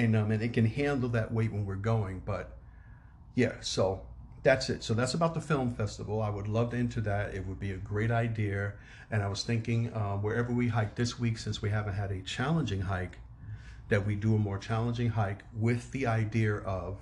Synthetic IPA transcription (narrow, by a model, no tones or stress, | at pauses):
ɨ̃nʌ̃mɨ̃nɨt̚kɨ̃nhæ̃ndˡl̩ˠðɨʔweɪʔwʔə̃nwɨɹɡoʊɪ̃ŋb̥ʌt̚ | jæ̰soʊ | ðætsɨtsoʊðætsəbaʊt̪̚ðəfɪlˠɱfɛstəvl̩ˠaɪwədˡlʌvdɪ̃ntʰʉðɨɾɪ̰t̚wəd̚biɨɡɹeɪɾaɪdiɨ | ɨ̃ñaɪwʌz̥θɪ̃ŋkɪ̃ŋʌwə˞ɛvə˞wiɦaɪk̚ðɪswiksɪ̃nswiɦævɨ̃n̩t̚ɦɨɾɨt͡ʃʰælˠə̃nd͡ʒɪ̃ŋɦaɪk | ðɨt̚widɨəmɔɹt͡ʃʰælˠə̃nd͡ʒɪ̃ŋɦaɪkwɪðiaɪdiɨʔʌv̥